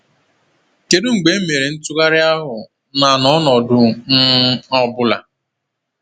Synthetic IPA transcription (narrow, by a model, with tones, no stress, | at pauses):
ke˨du˦ŋ͡m̩˨ɡ͡be˨˦me˨ɾe˨n̩˦tʊ˦ka˦ɾɪ˦a˦ɦʊ˨ | na˨nɔ˨˦nɔ˨dʊ˦n̩˦ɔ˦bʊ˦la̰˨